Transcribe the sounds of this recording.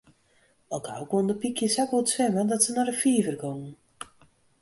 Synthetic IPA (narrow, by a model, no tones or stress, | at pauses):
ɔlˠkʰa̰wkondəpikʰjəsakutsʋɛmədɔtsənarəfiəvərɡɔŋ